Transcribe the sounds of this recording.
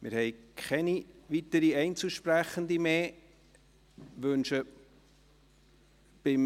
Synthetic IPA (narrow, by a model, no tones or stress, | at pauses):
mɪːɾhɛɪkʰχɛniʋitəɾiɛɪnt͡suʃpræχənd̪imeː | ʋɵnʃə | b̥ɪm